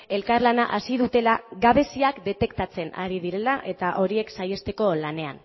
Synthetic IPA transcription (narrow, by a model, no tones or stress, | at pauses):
e̞lkaɾlanaʔasið̞ut̪e̞laɣaβ̞e̞siakd̪e̞t̪e̞kt̪at͡se̞naɾið̞iɾe̞laʔe̞t̪aʔo̞ɾie̞ksaje̞st̪e̞ko̞lane̞a̰n